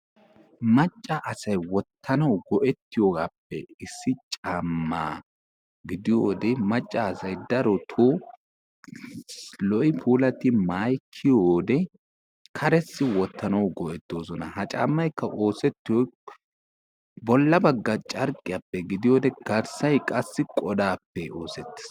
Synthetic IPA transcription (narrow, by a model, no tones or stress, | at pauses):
mɐt͡ʃʼːɐʔɐsɐjwɔt̪ːɐnɐwɡɔʔɛt̪ːɪjoːɡaːpːɛɪsːɪt͡ʃʼaːmːa̰ː | ɡɪd̪ɪjoːd̪ɛmɐt͡ʃʼːɐːsɐjd̪ɐɾɔt̪ʰoː | lɔʔɪpʰuːlɐt̪ɪmaːjkʰːɪjoːd̪ɛ | kʰɐɾɛsːɪwɔt̪ːɐnɐwɡɔʔɛt̪ːo̞ːsɔnɐ̰hɐt͡ʃʼa̰ːmːɐjkːɐʔo̞ːsɛt̪ːɪjɔ | bɔlːɐbɐɡːɐt͡ʃʼɐɾkʼɪjapːɛɡɪd̪ɪjoːd̪ɛɡ̥ɐɾsɐjkʼɐsːɪkʼɔd̪aːpːɛo̞ːsɛt̪ːɪ̥s